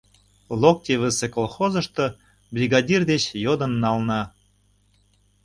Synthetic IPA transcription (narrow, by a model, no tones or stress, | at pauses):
lˠok̚t̪ʲeβəsekolˠxozəʃt̪ɤ̆ | bɾʲiɡɑdʲird̪et͡ɕjod̪ə̆nːɑlnɑ